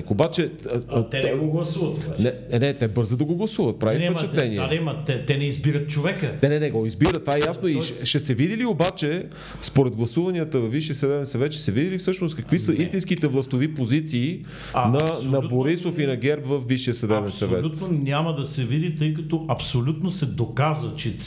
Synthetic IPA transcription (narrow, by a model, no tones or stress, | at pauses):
kobat͡ʃɛt̪ɛɛɡoɡlˠɐsuvɐt̪ɛnɛɛnɛt̪ɛbɤɾzəd̪ɐɡoɡlˠɐsuvət̪̚pɾavifpɛt͡ʃɛt̪lɛniɛd̪ɛmɐt̪ɛt̪ɛnɛizbiɾət̪̚t͡ʃovɛkənɛnɛnɛɡɔizbiɾət̪vaɛjasnoiʃɛʃɛsɛvid̪iliobat͡ʃɛ | spoɾɛd̪̚ɡlˠɐsuvɐniət̪əvɐfviʃiəsɐd̪ɛbɛnsɐvɛt̪ʃɛ̥sɛvid̪ilifsɤʃnost̪̚kɐkvisəist̪inskit̪ɛvlˠɐst̪ovipozit̪siː | nɐnɐboɾisofinɐɡ̟ɛɾpvɐfviʃiəsɐd̪ɛbɛnsɐvvɛtut̪nonʲaməd̪ɐsɛvid̪it̪ɤjkɐt̪oʔɐpsolʲut̪nosɛd̪okazvət͡ʃɛ